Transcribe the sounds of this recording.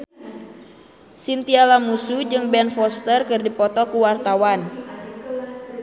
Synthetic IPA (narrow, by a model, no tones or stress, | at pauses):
sint̪ialamusud͡ʒɨŋbɛnfɔst̪ərkɨrdipɔt̪ɔkuwart̪awan